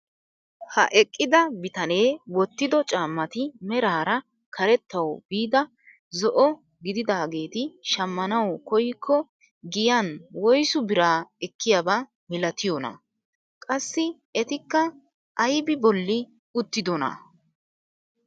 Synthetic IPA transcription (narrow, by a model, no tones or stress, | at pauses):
hɐ̰ʔɛkʼːɪd̪ɐbɪt̪ɐne̞ːwɔt̪ːɪd̪ɔt͡ʃʼaːmːɐt̪ɪmɛɾaːɾɐ | kʰɐɾɛt̪ːɐwb̥iːd̪ɐ | zɔʔɔ | ɡɪd̪ɪd̪aːɡe̞ːt̪ɪʃɐmːɐnɐwkɔjkʰːɔ | ɡɪjanwɔjsʊbɪɾaːɛkːɪjaba | mɪlɐt̪ɪjɔnɐ̰ | kʼɐsːɪ | ɛt̪ɪkːɐ | ʔɐjbɪbɔlːɪ | ʊt̪ːɪd̪ɔnɐ̰